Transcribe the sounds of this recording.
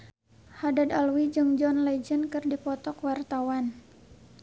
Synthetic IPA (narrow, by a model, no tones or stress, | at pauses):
hadadalwid͡ʒɨŋd͡ʒɔnlɛd͡ʒənkɨrdipɔt̪ɔkwart̪awan